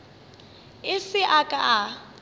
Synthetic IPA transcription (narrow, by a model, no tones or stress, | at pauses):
ɪsɪʔakʼaʔa